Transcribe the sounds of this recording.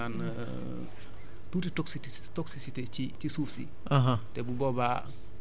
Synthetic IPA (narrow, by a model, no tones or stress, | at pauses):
an | tutitɔksit | tɔksisitet͡ʃit͡ʃisufsḭ | aɦatɛbubɔba